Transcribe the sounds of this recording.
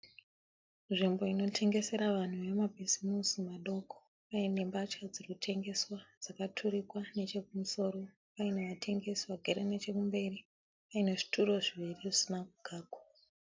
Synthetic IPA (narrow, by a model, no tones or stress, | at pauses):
nʐimbo̞ino̞tʰe̞ŋɡe̞se̞ɾaʋan̤uʋe̞mabʱizimusimaɗo̞kʰo̥ | pajinembat͡ʃkad͡zirkutʰe̞ŋɡe̞swad͡zakatʰuɾikwane̞t͡ʃe̞kumuso̞ɾo̞ | ʋaine̞ʋatʰe̞ŋɡe̞swaɡʱeɾene̞t͡ʃe̞kumbe̞ri | ʋaine̞ʐi̥tʰuɾo̞ʐiʋiriʐisinakuɡ̥ʱaːɡwa